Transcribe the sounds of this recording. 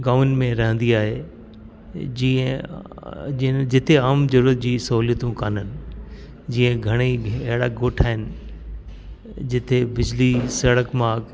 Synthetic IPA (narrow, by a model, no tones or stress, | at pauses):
ɡaːʋn̆mẽɾɐɦə̃nd̪iaːɦe | d͡ʑiə̃ | d͡ʑɪt̪ʰeaːmzɐɾuːət̪̚d͡ʑiːsɐɦuːlijət̪ũkaːnənɪ̆ | d͡ʑiːə̃ɡʱɐɽ̃iɐɦɪɽa̰ɡoːʈʰaːɦɪnɪ̆ | d͡ʑɪt̪ʰebɪd͡ʑlisɐɽəkmãːɡ